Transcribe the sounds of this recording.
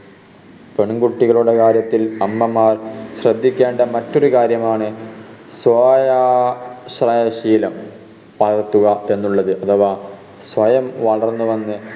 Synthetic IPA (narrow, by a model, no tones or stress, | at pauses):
peɳɡuʈːiɣɐɭuɽe̞kaːɾjɐt̪ːilɐmːɐmaːrɕrɐd̪ʱːikʲːeːɳɖɐmɐtːo̞ɾukaːɾjɐmaːɳɨ | sʋɐja | ɕrɐjɐɕiːlɐm | pɐɾɐrt̪ːuɣɐe̞nːuɭːɐðɨʔɐt̪ʰɐʋaː | sʋɐjɐmʋɐɭɐrnːuʋɐnːɨ